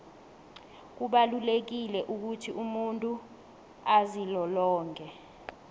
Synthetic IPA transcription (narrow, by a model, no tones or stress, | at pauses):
k̬uɓalulek̬ilɛʔuk̬utʰiʔumuntʼu | azilɔlɔːŋkʰʼɛ